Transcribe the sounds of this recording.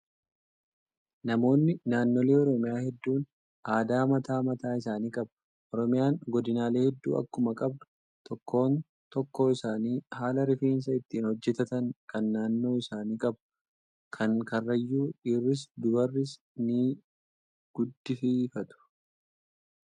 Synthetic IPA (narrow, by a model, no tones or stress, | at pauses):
nɐmo̞ːnːɪnaːnːoːle̞ːɔɾɔmɪjaːhɛd̪ːuːn | ʔaːd̪aːmɐt̪aːmɐt̪aːɪsaːniːkʼɐb | ʔɔɾɔmɪjaːŋɡɔd̪ɪnaːle̞ːhɛd̪ːṵːʔɐ̰kːʊmɐkʼɐbd̪ʊ̥ | t̪ɔkːo̞ːn | t̪ɔkːo̞ːɪsaːniːhaːlɐɾɪfiːns̬ɐɪt̪ːiːnhɔd͡ʒːɛt̪ɐt̪ɐŋkɐnːaːnːo̞ːɪsaːniːkʼɐb̚ | kʰɐŋkɐrːɐjːuːᶑiːrːɪs̬d̪ʊbɐrːɪs | nɪ | ɡ̥ʊd̪ːɪfiːfɐt̪ʊ̥